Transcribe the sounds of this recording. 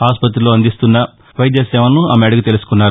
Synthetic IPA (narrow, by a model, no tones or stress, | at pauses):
aːspɐt̪̬ɾilo̞ːɐnd̪ist̪unːɐ | ʋɐjd̪jɐsɛːʋɐnːuɐmeɽɐɡut̪e̞lusu̥kunːaːɾu